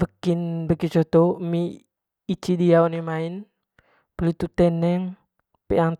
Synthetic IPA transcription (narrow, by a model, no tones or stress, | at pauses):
fəkinbəkit͡ʃɔt̪omiː | t͡ʃidiawnimain | bəlit̪ut̪ɛnɛŋ | pḛʔaŋ